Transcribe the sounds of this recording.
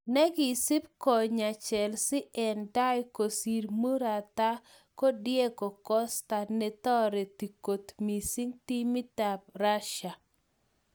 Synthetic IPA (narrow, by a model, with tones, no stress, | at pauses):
nɛ˦ɡɪ˨si˦p̚kɔ˨ɲa˨t͡ʃɛ˨lsɪ˦ʔɛ˨nda˦jko˨si˨ɾmu˦ɾa˨t̪a˦ | ko˦djɛ˦ɡo˨kɔ˦st̪a˨nɛ˨t̪ɔ˦ɾe˨ti˨ko˨t̪mi˨si˦ŋt̪i˦mi˦ta˨b̚ɾa˦ʃa˨